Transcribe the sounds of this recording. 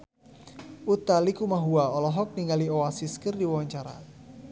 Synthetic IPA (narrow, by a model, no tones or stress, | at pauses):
ut̪alikumaɦuaɔlɔɦɔk̚niŋɡaliɔasiskərdiwawaɲt͡ʃaɾa̰